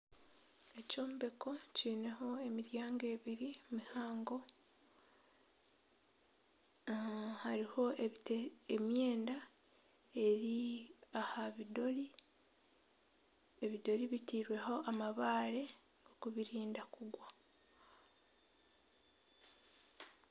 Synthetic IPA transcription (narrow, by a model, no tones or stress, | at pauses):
e̞co̞ːmbe̞ko̞ciːne̞ho̞e̞miɾjaːŋɡe̞ːβiɾimihaːŋɡo̞ | haɾiho̞teemje̞ːnda | e̞ɾiahaβido̞ɾi | eβido̞ɾiβitiːɾwe̞ho̞ʔamaβaːɾe̞ | okuβiɾiːndakuɡwa